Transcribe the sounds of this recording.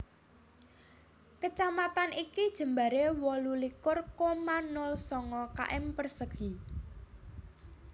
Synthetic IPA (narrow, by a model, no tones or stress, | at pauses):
kət͡ʃamat̪anikid̥ʒ̥ə̤mba̤ɾewɔlulikʊrkomanʊlsɔŋɔka̰ʔɪmpərsəɡ̥i